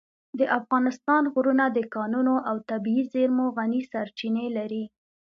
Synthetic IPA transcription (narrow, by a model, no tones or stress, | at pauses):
d̪əʔafɣɑnɪst̪ɑnɣɾunad̪əkɑnunoʔawt̪abiizeɾmoɣanisaɾt͡ʃinelaɾi